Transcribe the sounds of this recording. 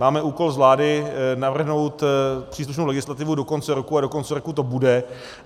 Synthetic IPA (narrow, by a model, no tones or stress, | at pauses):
maːmɛʔuːko̞lzvlaːdɪnavr̩ɦno̞wt̪pr̥iːsluʃnowlɛɡɪslat̪ɪvudo̞ko̞nt͡sɛɾokuado̞ko̞nt͡sɛɾokut̪o̞budɛ